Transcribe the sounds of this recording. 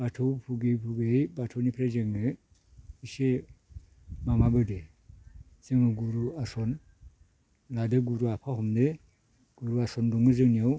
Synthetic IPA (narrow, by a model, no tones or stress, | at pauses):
b̥atʰopʰuɡepuɡeibatʰonipɾed͡ʒeŋə | ise | mamabəde | z̥eŋəɡuɾuason | ladeɡuɾuapʰahumde | ɡ̥uɾuasonduŋəzəŋnio